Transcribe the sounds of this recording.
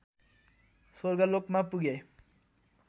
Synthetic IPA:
swʌrɡʌlokmapuɡe

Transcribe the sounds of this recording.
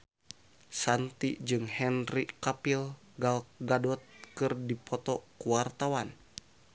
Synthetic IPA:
sant̪id͡ʒɨŋhɛnrikapil | ɡalɡadɔt̪̚kɨrdipʰɔt̪ɔkuwart̪awan

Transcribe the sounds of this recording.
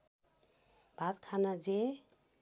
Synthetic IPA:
b̥ʱat̪kʰanad͡ze

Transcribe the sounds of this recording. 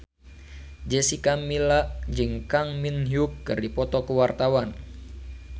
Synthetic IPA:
d͡ʒɛsikamilaʔd͡ʒɨŋkaŋminɦukːɨrdipɔt̪ɔkuwart̪awan

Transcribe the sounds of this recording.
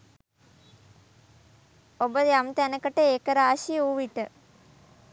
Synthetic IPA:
obəjamt̪ænəkəʈəeːkəɾaːʃiuʋiʈə

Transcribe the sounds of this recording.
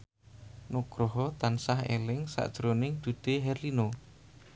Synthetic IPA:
nuɡ̥ɾoɦɔt̪ansahḛlɪŋsa̰ʔd̥ʒ̥ɾonɪŋd̪̥ṳd̪̥eɦɛrlino

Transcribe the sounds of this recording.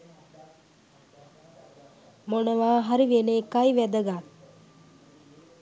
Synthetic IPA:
monəʋaːɦaɾiʋenekajʋæd̪əɡat

